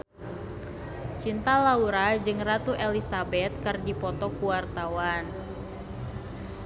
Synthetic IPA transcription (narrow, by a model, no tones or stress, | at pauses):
t͡ʃint̪alauɾad͡ʒɨŋrat̪uʔelisabɛt̪̚kɨrdipɔt̪ɔkuwart̪awan